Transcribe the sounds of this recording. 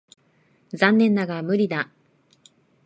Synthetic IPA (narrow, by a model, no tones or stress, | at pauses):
zãnːẽ̞nːaɡamɯ̟ɾʲid̪a